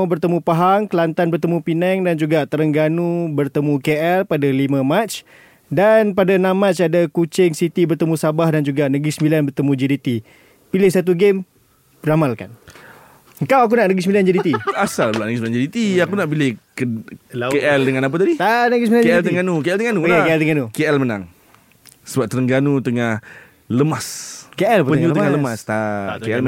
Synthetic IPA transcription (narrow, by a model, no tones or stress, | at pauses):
bərt̪əmũpaɦaŋkəlant̪anbərt̪əmũpinɛŋdand͡ʒuɡat̪əɾəŋɡanubərt̪əmũkeʔɛlpadalimə̃matt͡ʃ | danpadanãmːat͡ʃadakut͡ʃɪŋsit̪ibərt̪əmũsabahdand͡ʒuɡanəɡɾisəmbilanbərt̪əmũd͡ʒiɾit̪i | pilɪhsat̪uɡem | bramalka̰n | əŋkawak̬unaʔnəɡɾisəmbiland͡ʒadit̪iasalbəlaʔnəɡisəbiland͡ʒadit̪iakunaʔpilekəkeʔɛldəŋanap̬at̪adit̪anəɡisəmbiland͡ʒeiɛlt̪əŋɡanukeɛlt̪əŋanuaeɛlt̪əŋɡanukeɛlməna̰ŋ | səbap̚t̪əɾəŋɡanut̪əŋah | ləmaskeʔɛlpəpəut̪əŋaləmast̪akeɛl